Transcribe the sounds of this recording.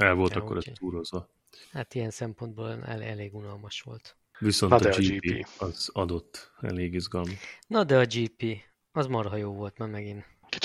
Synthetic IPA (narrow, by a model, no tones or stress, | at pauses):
ɛlvo̞lɒkːo̞ɾʔɛst̪uːɾo̞zʋɒ | hat̪ijɛnsɛmpo̞nd̪bo̰ːlɛ̰lɛ̰leːɡunɒlmɒʃʋo̞̰lt̪ | ʋiso̞nd̪d͡ʒiːiɒz̥ɒd̪o̞t̪ːɛ̰leːɡizɡɒlmɔʃnɒd̪ɛɒd͡ʒiːpiː | ɒzmɒrɦɒjoːvo̞lt̪maːrmɛɡin | kit͡ʃ